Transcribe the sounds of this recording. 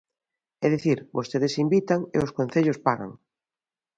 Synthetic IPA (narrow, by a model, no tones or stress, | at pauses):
ɛðiθiɾbost̪eðesimbit̪aŋḛoskõnθeʎospaɣa̰ŋ